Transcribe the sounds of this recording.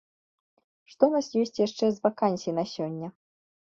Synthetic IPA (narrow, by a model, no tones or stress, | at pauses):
ʂt̪ɔunasjɔsʲt͡sʲjaʂt͡ʂɛzvakanʲsʲijinasʲɔnʲːɐ